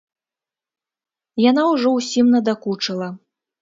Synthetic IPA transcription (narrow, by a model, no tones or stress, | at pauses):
janawʐɔwsʲimnɐd̪akut͡ʂɐlˠɐ